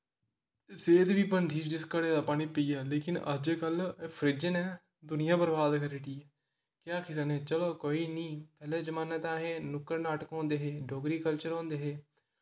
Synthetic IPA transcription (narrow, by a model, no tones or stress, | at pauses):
seːd̪ʋiːpənd̪ʰʱiːʃd͡ʒɪskəɽeːd̪aːpaːɽ̃iːpɪiːɛːleːkɪnə̰d͡ʒeːkəlpʰəɾɪd͡ʒənɛː | d̪ʊnɪjãːbəɾbaːd̪kəɾeːʈiːɛ | kjaːkʰɪs̬əneːt͡ʃəloːkoːiːnĩːpɛːlɛ̃ːd͡ʒəmaːnəːt̪ãːɦeːnʊkːəɾnaːʈəkɔ̃ːnd̪eːɦeːɖoːɡɾiːkəlt͡ʃəɾõːnd̪eːɦeː